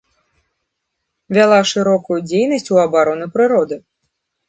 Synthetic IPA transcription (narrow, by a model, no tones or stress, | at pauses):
vʲalˠaʂɨɾɔkujud͡zʲejnɐsʲt͡sʲuɐbaɾɔnɨpɾɨɾɔd̪ɨ